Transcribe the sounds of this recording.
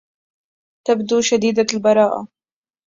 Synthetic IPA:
t̪abd̪uːʃad̪iːd̪albɑɾˤɑːʔa̰

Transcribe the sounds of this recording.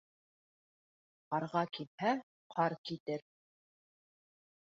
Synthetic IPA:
qɑɾʁɑkilhæ | qʰɑɾkit̪ɘɾ

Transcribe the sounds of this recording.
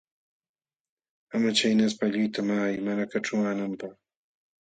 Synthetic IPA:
amat͡ʃajnas̬paʎʊjt̪amaajmanakaʈ͡ʂawanampɑχ

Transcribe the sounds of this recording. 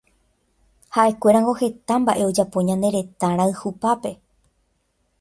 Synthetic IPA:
haʔe̞kʷe̞ɾãŋɡo̞he̞t̪ambaʔe̞o̞d͡ʒapõ̞ɲãnd̪e̞ɾe̞t̪ãɾ̃aɨhupape̞

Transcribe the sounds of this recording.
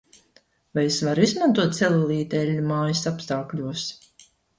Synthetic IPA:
vajesvaɾuizmant̪uɔt̪̚sɛlalˠiːt̪ɛlʲːumaːjisapst̪aːklʲuɔs

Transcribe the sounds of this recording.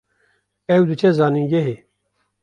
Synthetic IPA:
ewd̪ut͡ɕʰezaːnĩɡeɦe

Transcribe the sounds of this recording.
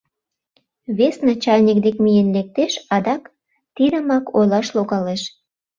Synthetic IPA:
βesnɑt͡ɕɑlʲnʲik̚d̪ekmijenlek̚t̪eʃɑd̪ɑk | t̪id̪əmɑkojlɑʃloɣɑleʃ

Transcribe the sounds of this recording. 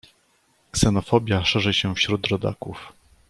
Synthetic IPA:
ksɛnɔfɔbʲjaʂɛʐɛɕɛfɕɾud̪ɾɔd̪a̰kuf

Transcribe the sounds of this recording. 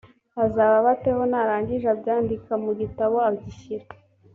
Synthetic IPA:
azaːβaβateho̞naɾaːɲɟiʒabɟaːndikamuɟitaβo̞abɟiʃiɾe

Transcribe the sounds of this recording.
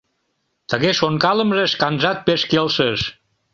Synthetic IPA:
t̪əɣesoŋkaləmzəskanzat̪̚peskelˠsəs

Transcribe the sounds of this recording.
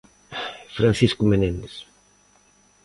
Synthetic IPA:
fɾanθiskʊmenẽnd̪es

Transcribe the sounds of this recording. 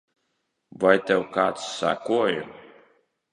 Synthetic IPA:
vajt̪ʲɛwkaːt̪ssːa̰kuɔju

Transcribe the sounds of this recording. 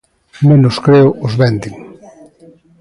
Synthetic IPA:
mẽnʊskɾeʊʔʊzβɛnd̪iŋ

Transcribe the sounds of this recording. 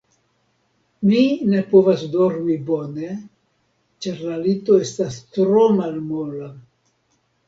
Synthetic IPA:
mine̞po̞vasdo̞ɾmibo̞ne̞ | t͡ʃaɾlalito̞e̞stastɾomalmola

